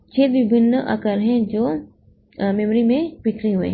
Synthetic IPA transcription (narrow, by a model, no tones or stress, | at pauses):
t͡ʃʰeːt̪ʋɪbʱɪnːəʔa̰kəɾɦɛ̃d͡ʒoː | mɛmɾimẽpɪkʰɾiɦuḛ̃